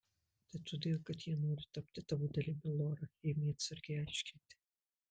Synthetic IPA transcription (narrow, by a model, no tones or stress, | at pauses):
t̪ɐɪt̪ːoːd̪ʲeːlˠkɐt̪jiɛnoːɾʲɪt̪ɐp̚ʲt̪ʲɪt̪ɐʋud̪ʲɛlʲibʲɪlˠoːɾɐjɛmʲiɛt̪sʲɐɾʲɡʲɛɪɑɪʃʲkʲɪnʲt̪ʲɪ̥